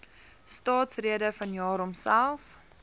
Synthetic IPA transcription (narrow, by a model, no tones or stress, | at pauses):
stɑːtsriədəfɐnjɑːɾɔmsælˠf